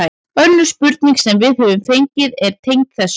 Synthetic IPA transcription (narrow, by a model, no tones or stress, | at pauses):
œnːʏspʏɾt̪niŋksɛmvɪðhɛvʏmθejɲcɪðɛɾ̥t̪ʰejŋkθɛs